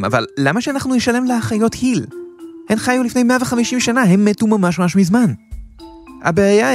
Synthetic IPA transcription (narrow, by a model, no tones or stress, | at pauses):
ma̰va̰llamaʃeanaχnujeʃale̞mleaχajo̞thilhenχajulifne̞jmeaveχamiʃimʃanaɦe̞mːetumamaʃmaʃmizman | ha̰beaja